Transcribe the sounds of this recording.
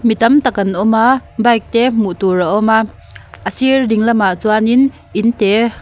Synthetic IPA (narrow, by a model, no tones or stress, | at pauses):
mit̪ɐmt̪akːɐnʔɔmaːbajk̚t̪ɛmuʔt̪uɾaʔɔma | ʔəsirdiŋlɐmaʔt͡suanin | ʔint̪ɛ